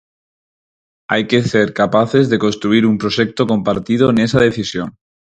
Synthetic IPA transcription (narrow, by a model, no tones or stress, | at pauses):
a̰jke̞seɾkapaθe̞zðe̞ko̞nst̪ɾuiɾumpɾoʃek̚t̪oko̞mpaɾt̪ið̞oenesað̞e̞θisjon